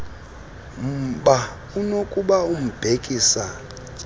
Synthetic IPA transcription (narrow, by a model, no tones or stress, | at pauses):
m̩ɓa | unokʼuɓaum̩b̥ʱekʼiːsa